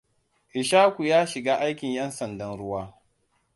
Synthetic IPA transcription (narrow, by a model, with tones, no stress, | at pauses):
ʔɪ˨ʃaː˦kʷu˨jaː˦ʃɪ˨ɡaː˦ʔa˦jkʲɪ˨ɲjɐ˦nsɐ˨ndɐ˦nɽʊ˦waː˦